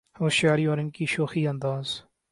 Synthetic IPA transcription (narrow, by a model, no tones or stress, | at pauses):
hoːʃjaːɾiːɔːɾɪnkiːʃoːxiːənd̪aːz